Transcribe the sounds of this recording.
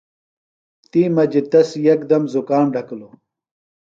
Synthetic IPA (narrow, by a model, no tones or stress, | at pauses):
t̪iːmɐd͡ʑit̪ɐsjɐk̚d̪ɐmzukaːnɖʱɐklo